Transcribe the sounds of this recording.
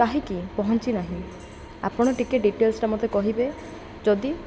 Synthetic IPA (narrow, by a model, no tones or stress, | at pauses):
kaɦikipɔɦɔnt͡ʃinaɦĩ | a̰pɔɽ̃ɔʈikeʈ̚ɖiʈelsʈamɔt̪ekɔɦibe | d͡ʒɔd̪i